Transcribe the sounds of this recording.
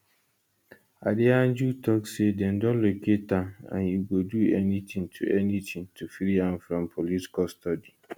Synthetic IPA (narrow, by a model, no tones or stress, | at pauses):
adɪãnd͡ʒutʰɔksedɛ̃ndɔ̃nloketãã̰njuɡoduɛnit̪ʰĩŋtʰṵʔɛnit̪ʰĩŋtʰufɾiãmfɾɔ̃mpʰoliti̥kalstɔdi